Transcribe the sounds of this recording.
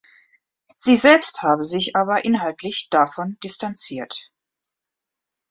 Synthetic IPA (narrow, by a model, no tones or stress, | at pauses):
z̥iːzɛlpsthaːbəzɪçʔaːβɐʔɪnɦaltʰlɪçd̥afɔnd̥ɪstant͡siːɐt